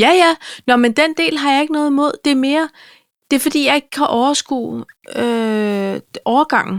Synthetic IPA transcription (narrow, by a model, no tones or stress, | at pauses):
jæjænɒmend̥end̥e̝̰ːlɦɑ̈jɑ̈e̝ɡ̥ənɔ̽ːðˠmo̝ð̞̰ˠd̥e̝æɐme̝ːɐ | d̥e̝ɐfɒ̽d̥ḭːjɑ̈e̝ɡ̥əkʰæʔɒʊɐsɡ̥ṵː | ø | ʔɒːɐɡ̥ɑ̈ŋ̰n̩